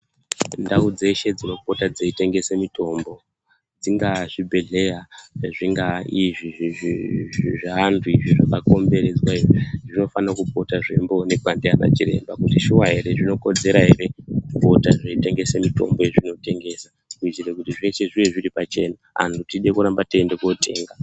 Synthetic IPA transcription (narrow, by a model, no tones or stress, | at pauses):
ndaud͡ze̞ʃe̞d͡zino̞po̞tad͡zeite̞ŋɡe̞semito̞ːmbo̞ | d͡ziŋɡaʐibʱe̞ɮe̞jaʐiŋɡaiʐi | ʐaantʰuiʐiʐakako̞mbe̞ɾe̞d͡zwaiʐiʐino̞fanakupo̞taʐḛmbo̞ne̞kwandeana̰t͡ʃiɾḛmbakutiʃuwaɦe̞ɾe̞ʐino̞ko̞d͡ze̞ɾaɦere̞kupo̞taʐeite̞ŋɡe̞semito̞̰mbo̞jeʐino̞te̞ŋɡe̞sa | kuit͡ʃiɾekutiʐe̞ʃeʐiʋeʐiripat͡ʃe̞ːna | ɦa̰ntʰutiɗe̞kuɾambatiendeko̞tʰe̞ːŋɡa